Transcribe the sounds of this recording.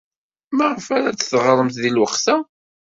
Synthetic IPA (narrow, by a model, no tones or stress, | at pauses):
məʁfæɾæt͡sːθʁəɾˤəmθðilwəχθæ